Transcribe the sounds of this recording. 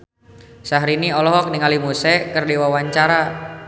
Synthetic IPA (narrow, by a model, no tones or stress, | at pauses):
saɦɾiniɔlɔɦɔk̚niŋalimusɛkərdewawaɲt͡ʃaɾa